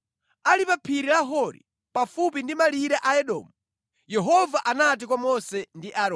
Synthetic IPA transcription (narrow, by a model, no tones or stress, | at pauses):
alipapʰiɾilaɦɔɾḭ | pafupindimaliɾaʔaɛɗɔ̰ːmu | jɛɦɔvaʔanat̬ikwamɔsɛndiʔaɾɔ